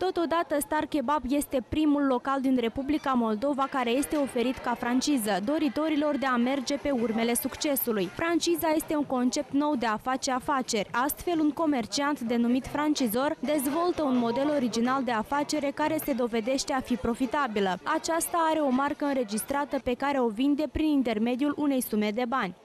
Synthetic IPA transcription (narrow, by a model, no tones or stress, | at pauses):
t̪o̞t̪o̞d̪at̪əst̪arke̞babje̞st̪e̞pɾimulːo̞kald̪inre̞publikamo̞ld̪o̞vakaɾe̞je̞st̪e̞o̞fe̞ɾit̪kafɾant͡ʃizəd̪o̞ɾit̪o̞ɾilo̞rd̪e̞ame̞rd͡ʒe̞pe̞urme̞le̞sukt͡ʃe̞sulujfɾant͡ʃizaje̞st̪e̞uŋko̞nt͡ʃe̞pt̪no̞wd̪e̞afat͡ʃeafat͡ʃe̞rʲast̪fe̞luŋko̞me̞rt͡ʃiant̪d̪e̞numit̪fɾant͡ʃizo̞rd̪e̞zvo̞lt̪əunmo̞d̪e̞lo̞ɾid͡ʒinald̪e̞afat͡ʃe̞ɾe̞kaɾe̞se̞d̪o̞ve̞d̪e̞ʃt̪e̞afipɾo̞fit̪abiləat͡ʃast̪aaɾe̞o̞markəɨnɾe̞d͡ʒist̪ɾat̪əpe̞kaɾe̞o̞vind̪e̞pɾinint̪e̞rme̞d̪ijulʔune̞jsume̞d̪e̞banʲ